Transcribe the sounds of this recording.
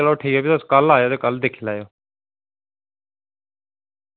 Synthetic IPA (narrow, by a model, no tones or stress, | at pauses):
əloːʈʰeioːbit̪əskəlaːjoːt̪eːkəld̪eːkʰilaːjoː